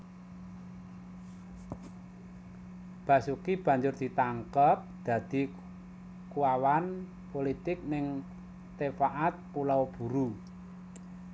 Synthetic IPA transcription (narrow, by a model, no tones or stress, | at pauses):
b̥ä̤sukib̥ä̤ɲd͡ʒʊrd̪̥i̤t̪aŋkəp̚d̪̥ä̤d̪̥i̤ | kuwawan | polit̪ɪk̚nɪŋ | t̪efaʔat̪̚pulawb̥ṳɾu